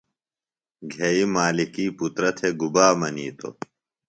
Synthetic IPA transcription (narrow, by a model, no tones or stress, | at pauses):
ɡʱeimaːlikiːput̪ɾɐt̪ʰeɡubaːmɐniːt̪o̰